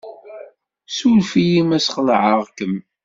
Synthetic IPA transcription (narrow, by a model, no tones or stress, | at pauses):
sulfijimæsχəlʕəʁkəm